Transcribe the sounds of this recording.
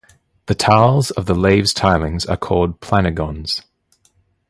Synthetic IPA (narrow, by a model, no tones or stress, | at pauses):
ðətʰaʊlˠzəvðəleɪvz̥tʰaɪlɪ̃ŋzə̰kʰɔːlˠd̚pʰl̥anɪɡɒ̃nz̥